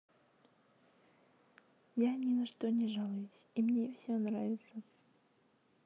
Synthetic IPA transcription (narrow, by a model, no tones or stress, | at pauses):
janʲɪnɐʂt̪onʲɪʐalˠəjʊsʲimnʲefsʲonɾavʲɪt̪sə